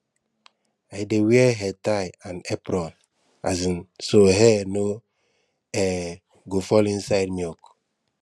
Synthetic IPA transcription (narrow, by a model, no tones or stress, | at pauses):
ajdewiɛɦɛtajãnepɾɔn | azinsoɦɛno | ɛ | ɡofɔlinsajdmiɔk